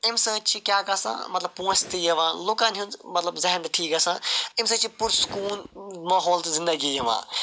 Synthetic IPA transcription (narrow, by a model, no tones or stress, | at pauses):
ɪmsə̃ːt͡ʃʰikʲjaːkasã̰ːmɐt̪lɐb̚põːt͡ʃt̪ijɐʋãːloːkãːnũnmɐt̪lɐbzɐɦnd̪ʈʰiːkasãːɪmsə̃ːt͡ʃʰipʊɾsu̥kuːlmaːɦɔːlt̪zɪ̃nd̪əɡijɐʋã̰ː